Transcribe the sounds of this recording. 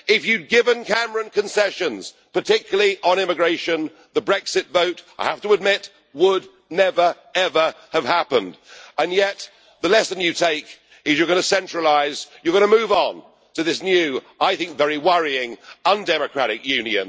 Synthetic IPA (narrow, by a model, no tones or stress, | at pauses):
ɪfjʉd̚ɡɪvɨ̃nkʰæmə˞ɨ̃nkʰɨ̃nsɛʃɨ̃nz̥ | pə˞tʰɪkjl̩ˠiʔə̃nɪ̃mɨɡɹeɪʃɨ̃n | ðəbɹɛksɨtvoʊt̚aɪhæftəəd̚mɪt̚ | wəd | nɛvə˞ | ɛvə˞ | əv̥hæpə̃ndə̃njɛt̪̚ | ðəlɛsɨ̃njɨtʰeɪk | ɨzjə˞ɡʌñɨsɛ̃nt͡ʃɹ̥əlaɪzjə˞ɡʌñəmʉvn̩ | tʰɨðɪsnjʉ | aɪθɪ̃ŋkvɛɹiwʌɹiɪ̃ŋə̃ndɛmɨkʰɹ̥æɾɨkjʉ̃njɨ̰̃n